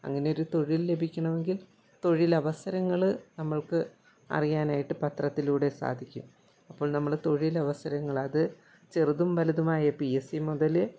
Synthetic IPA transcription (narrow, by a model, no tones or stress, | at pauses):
ɐ̰ŋːɐne̞joɾut̪o̞ɻilːe̞bʱikʲːɐɳɐme̞ŋɡil | t̪o̞ɻilɐʋɐsɐɾɐŋːɐɭnɐmːɐɭkɨ | ɐ̰rijaːnaːjiʈːɨpɐt̪rɐt̪ːiluːɽe̞sa̰ːd̪ʱikʲːum | ɐpːo̞ːɭnɐmːɐɭt̪o̞ɻilɐʋɐsɐɾɐŋːɐɭɐðɨ | t͡ɕeruðumʋɐlɐðɐmaːjɐpijesimuðɐlɨ